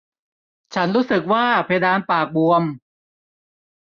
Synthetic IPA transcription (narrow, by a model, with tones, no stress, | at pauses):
t͡ɕʰa˦˥nɾuː˦˥sɯ˨˩k̚waː˥˩pʰa˧jdaː˧npaː˨˩k̚bu˧əm